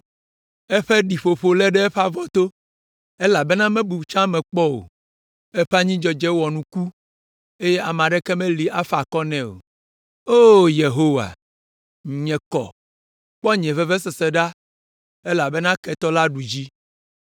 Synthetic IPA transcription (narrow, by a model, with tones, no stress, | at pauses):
ɛ˦ɸɛ˦ɖi˨ɸo˨ɸo˨lɛ˦ɖɛ˦ɛ˦ɸa˦vɔ˦t̪o˦ | e˦la˨bɛ˦nã˦mɛ̃˦bu˨t͡ʃã˦mɛ̃˨k͡pɔ˦wo̰˨ | ɛ˦ɸɛ˦a˦ɲĩ˦d͡ʒɔ˨d͡ʒɛ˦wɔ˨nũ˦ku˦ | e˦jɛ˦ʔa˨mã˨ɖɛ˦kɛ˦mɛ̃˦li˨ʔa˦fa˨kɔ˦nɛ̃˦˨o̰˨ | o˦je˨ɦo˦wa̰˨ | ŋ̩˨ɲɛ̃˨kɔ̰˨ | k͡pɔ˦ɲɛ̃˨vɛ˦vɛ˦s̬ɛ˨sɛ˨ɖa˦ | e˦la˨bɛ˦nã˦kɛ˨t̪ɔ˦la˦ɖu˨d͡ʑi˦